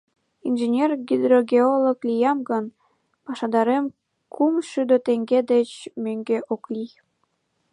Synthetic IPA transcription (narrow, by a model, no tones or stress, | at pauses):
inʒenʲerɡid̪roɡʲeoloklijɑmɡən | pɑʃɑd̪ɑɾem | kʰumʃyd̪øt̪eŋɡed̪et͡ɕmøŋɡeʔokli